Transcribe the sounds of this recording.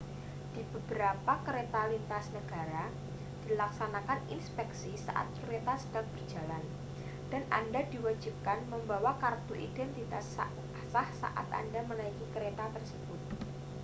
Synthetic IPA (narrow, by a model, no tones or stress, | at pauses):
d̥i̤b̥əbəɾapakəɾet̪alint̪asnəɡ̥a̤ɾa | d̥ilaksanakanḭnspɛksisa̰ʔa̰t̪̚kɾet̪asə̥dak̚b̥ərd͡ʒ̥a̤lan | d̥a̤nʔa̰ndad̥iwad͡ʒi̤p̚kanməmbawakart̪uʔḭd̥ɛnt̪it̪a | sahsa̰ʔa̰t̪a̰ndamənaikikəɾet̪at̪ərsəb̥ʊt̪̚